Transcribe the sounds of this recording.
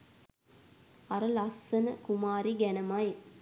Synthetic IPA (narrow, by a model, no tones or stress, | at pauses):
ɐɾəlɐsːɐnəkumaːɾiɡænɐmɐj